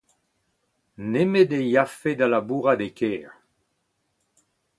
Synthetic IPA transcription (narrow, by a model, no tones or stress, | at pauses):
nemed̪ejafed̪alabuːʁad̪ekʰɛːʁ